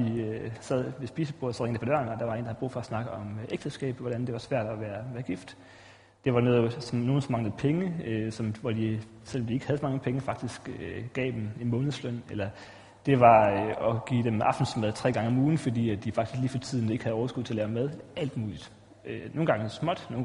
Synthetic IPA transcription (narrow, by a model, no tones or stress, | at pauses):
d̥iøsæð̞̰ˠʋe̝sb̥iːsəpʰosɒ̽ʁeŋd̥əpʰɒ̥̽ɶɐ̰nɒd̥ɑ̈ʋɑḛndɑh̩ˠb̥ʁṵːfɒ̽ɒsnɑ̈ɡ̥əɒ̽mʔeɡ̥̚d̥əsɡ̥ɛ̰ːb̥ʋɒɾ̥ænd̥e̝ʋɑsʋæɐ̰d̥ɒʋæːɐʋæːɐɡ̥ifd̥ | d̥e̝ʋɑ̈noːðˠsno̝ːn̩sɒ̽mɑ̈ŋləð̩ˠpʰeŋəøsɒ̽mʋɒd̥i | sel̰ɒ̽md̥ie̝ɡ̥hæðˠsɒ̽mɑ̈ŋəpʰeŋəfɑ̈ɡ̥̚d̥isɡ̥ɡ̥ɛ̰ːd̥emimɔ̽ːnð̩ˠsløn̰elɐ | d̥e̝ʋɑ̈øɒ̽ɡ̥ḭːd̥emʔɑ̈fd̥n̩smæð̞ˠt͡sʰʁɛ̰ːɡ̥ɑ̈ŋəɒ̽muːn̩fɒ̽d̥ḭːædd̥ifɑ̈ɡ̥d̥i̥sɡ̥liːfɒ̽t͡sʰið̰ˠn̩e̝ɡ̥hæð̩ˠɒʊɐsɡ̥uðˠt͡sʰe̝ɐlːʊmæð̞ˠæl̰d̥muːlid̥ | noːn̩ɡɑ̈ŋəsmɒ̽d̥noː